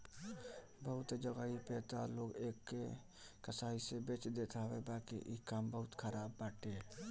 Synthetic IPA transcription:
bəɦʊt̪d͡ʒəɡaipeːt̪aloːɡeːkːe | kəsaːisebeːt͡ʃd̪et̪ʰaʋebaːkḭʔikambəɦʊt̪kʰəɾaːbːaːʈeː

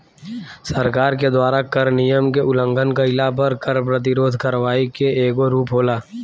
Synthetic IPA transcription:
səɾkaːɾked̪waːɾakəɾnijəmkeʔʊlə̃ŋɡənkəɪlap̬əɾkəɾp̬ɾət̪̬ɪɾoːd̪ʱkəɾʋaːikeeːɡoɾuːpɦoːlaː

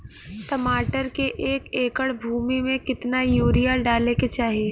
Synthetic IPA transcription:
t̪ɐmaːʈəɾkeʔeːkeːkəɽbʱuːmimẽkɪt̪najuːɾijaɖaːleket͡ʃaːɦieː

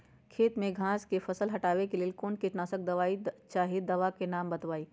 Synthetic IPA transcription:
kʰeːt̪mẽɡʱãːskefɐsəlɦɐʈaːʋekelielkoːnkiʈnaːsək̚d̪ɐʋaːit͡ʃaːɦid̪ɐʋakenaːmbɐt̪ʋaːiː

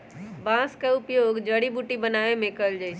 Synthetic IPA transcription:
bãskaʊpjoːɡd͡ʒəɽibuʈibənaːemẽkəld͡ʒaɪs

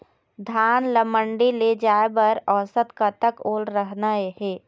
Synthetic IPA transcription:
d̪ʱaːnləməɳɖiled͡ʒaːebɐɾɔːsət̪kat̪əkoːlɾəɦnaehɛː

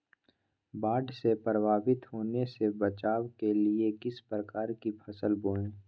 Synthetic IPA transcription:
baːɖsepɾəbaːbɪt̪ɦoːnesebɐt͡ʃaːwkeliekɪspɾəkaːɾkipʰɐsəlboːlẽː

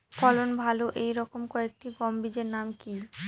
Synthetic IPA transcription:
fɔlonbʱaloʔejɾɔkomkɔek̚ʈiɡɔmbid͡ʑeɾnamki

